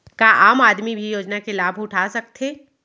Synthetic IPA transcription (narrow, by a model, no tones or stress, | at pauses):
kaʔaːmaːd̪mibʱijoːd͡ʒnakelaːbʱʊʈʰasɐk̚t̪ʰeː